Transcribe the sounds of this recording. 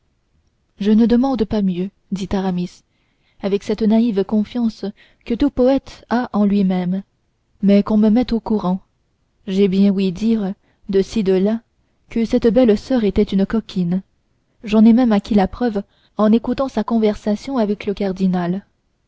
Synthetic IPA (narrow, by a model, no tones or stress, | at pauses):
ʒənəd̪əmɑ̃d̪pamjø | d̪it̪aʁamis | avɛksɛt̪naivkɔ̃fjɑ̃s | kət̪upɔɛt̪aʔɑ̃lɥimɛm | mɛkɔ̃məmɛt̪okuʁɑ̃ | ʒɛbjɛ̃wid̪iʁ | d̪əsid̪əla | kəsɛt̪bɛlsœʁet̪ɛt̪ynkɔkʲʰin | ʒɑ̃nɛmɛmakʲilapχœv | ɑ̃nekut̪ɑ̃sakɔ̃vɛʁsasjɔ̃avɛkləkaʁd̪inal